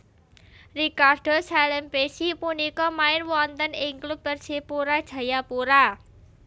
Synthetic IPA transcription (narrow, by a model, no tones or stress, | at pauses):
rikarɖ̥osalɛmpesipunikɔmaɪnwɔnt̪ənɪŋklub̚ərsipuɾad̥ʒ̥ä̤japuɾa